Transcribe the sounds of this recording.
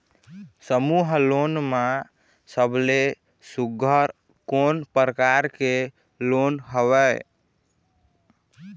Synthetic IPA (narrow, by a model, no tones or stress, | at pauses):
səmuɦlonma | səble | suɡʱəɾ | konpɾəkaɾke | lonɦəwə